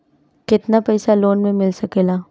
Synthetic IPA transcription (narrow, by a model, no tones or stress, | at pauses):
kɪt̪napɛjsaloːnmẽmɪlsɐkeːlaː